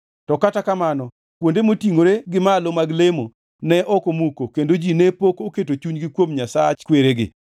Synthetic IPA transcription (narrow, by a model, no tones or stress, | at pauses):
tɔkatakamanɔ | kwondemotiŋoɾeɡɪmalomaɡlemo | nɛʔɔkomukokendod͡ʒinɛpokoketot͡ʃuɲɡɪkwomɲasat͡ʃkweɾeɡɪ̰